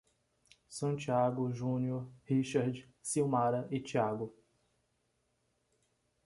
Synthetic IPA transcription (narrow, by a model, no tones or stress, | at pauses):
sɐ̃t͡ʃiaɡʊʒũnioɾhiʃaɾd͡ʒ | siwmaɾɐʔɪt͡ʃiaɡʊ